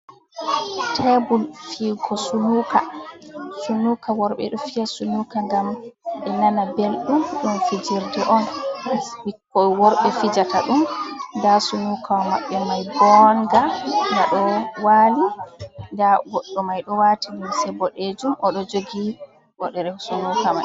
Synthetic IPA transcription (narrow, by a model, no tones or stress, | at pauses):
tʰɛbulfiɡɔsunuːka | sunuːkawɔɾɓɛ̰ɗɔfijasunukaŋɡamɓɛnanabelɗumɗumfid͡ʒiɾdɛʔɔn | bikːɔjwɔɾɓɛfid͡ʒataɗumdasunukawamaɓːɛmajbɔŋɡaɡaɗɔwalidaɡɔɗːɔmajɗɔwatinumsɛbɔɗed͡ʒumʔɔɗɔd͡ʒoɡi | bɔɗɛɾɛsunukamaj